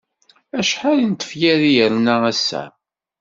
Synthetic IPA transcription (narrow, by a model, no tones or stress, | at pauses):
æʃħalint̪ːə̥fjæðijəɾnææsːæ̰